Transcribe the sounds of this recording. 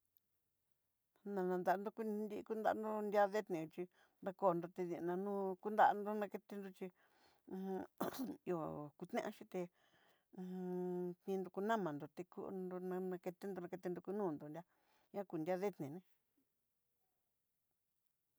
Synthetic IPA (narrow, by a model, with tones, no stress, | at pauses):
nã˧nã˧nd̪a˧ʔnd̪o˧ku˧nd̪i˧ku˦nd̪a˧˦˧nd̪o˦nd̪ʲja˦ðe˦t̪nĩ˨˧t͡ʃi˧ | nd̪a˧koː˧˨nd̪o˧t̪e˧ðĩ˧nã˧nũː˦ku˦nd̪a˦˧nd̪o˦nã˧ke˧t̪e˧nd̪o˧t͡ʃĩ˧ | jo˧˨ku˧t̪nḛ̃˦ʔã̰˧˦ʃi˧t̪ẽ˧ | t̪nĩ˧nd̪o˧ku˧nã˦˨mã˨nd̪o˨t̪e˧kṵ˧ʔ̪d̪o˧nã˧nã˧ke˧t̪e˦nd̪o˧nã˧ke˧t̪e˧nd̪o˧ku˧nũː˦˨nd̪o˨nd̪ʲa˧ | ɲã˦ku˧˨ndʲa˦ðe˦t̪nẽ˨nẽ˧